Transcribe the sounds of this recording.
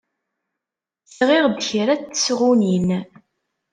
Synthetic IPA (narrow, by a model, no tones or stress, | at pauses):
sʁiʁðçɾæt͡sːə̥sʁunin